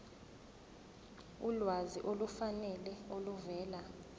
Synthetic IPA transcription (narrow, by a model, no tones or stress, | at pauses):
ulwaziʔolufanɛlɛoluvɛːla